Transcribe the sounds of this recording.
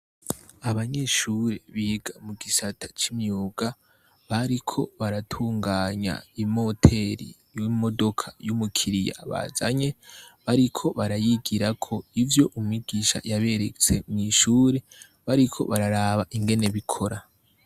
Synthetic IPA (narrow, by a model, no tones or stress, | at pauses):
aβaɲe̞ːʃuːɾe̞βiːɡamuɡisatḁt͡ʃimɲuːɡa | βaɾikʰo̞βaɾatʰuːŋɡaːɲa̰imo̞tʰe̞ɾḭ | jimo̞do̞kʰḁjumukʰiɾija̰βa̰za̰ɲe̞βaɾikʰo̞βaɾajiɡiɾakʰo̞ivjo̞ʔumŋiɡiʃa̰jaβe̞ɾet͡se̞mŋiʃuːɾe̞ | βaɾikʰo̞̰βaɾaɾaːβaʔiŋɡe̞ne̞βikʰo̞ɾa